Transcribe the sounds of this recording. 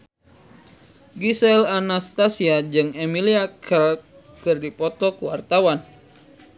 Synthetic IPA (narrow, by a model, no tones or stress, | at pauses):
ɡisɛlanast̪asiad͡ʒɨŋemiliakʰəl | kɨrdipɔt̪ɔkuwart̪awan